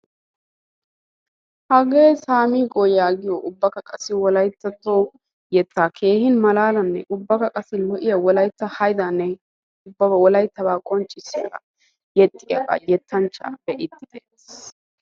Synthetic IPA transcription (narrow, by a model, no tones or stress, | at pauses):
hɐɡeːsaːmiːkʼojaːɡɪjoʔʊbːɐkɐkʼɐsːɪwɔlɐjt̪ːɐt̪ːoː | jɛt̪ːaːkʰe̞ːhɪnmɐlaːlɐnːɛ̰ʔʊbːɐkɐkʼɐsɪlɔʔɪjɐwɔlɐjt̪ːɐhɐjd̪anːɛ | ʊbːɐbɐwɔlɐjt̪ːɐbaːkʼɔnt͡ʃʼːɪsːɪkɐ̰ | jɛt̪ʼːɪjɐ̰kʼɐ̰jɛt̪ʰːɐnt͡ʃːa̰ːb̥ɛʔɪd̪ːɪd̪eː